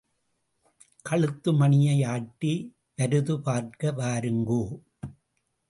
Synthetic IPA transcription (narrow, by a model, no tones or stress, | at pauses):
kɐɭɯt̪ːɯmɐɳɪjɐɪaːʈːi | ʋɐɾɯðɯpaːɾkɐʋaːɾɯŋɡoː